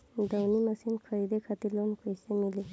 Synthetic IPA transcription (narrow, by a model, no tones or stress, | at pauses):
d̪əwniməsinkʰəɾid̪ekʰat̪ilonkojsemili